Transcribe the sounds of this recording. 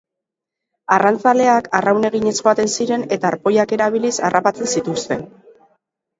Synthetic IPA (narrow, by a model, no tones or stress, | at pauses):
arant͡sale̞akarawne̞ɣ̞iɲe̞sxoat̪e̞nsiɾe̞ne̞t̪aːɾpo̞jake̞ɾaβ̞ilisa̰rapat͡se̞nsit̪ust̪e̞n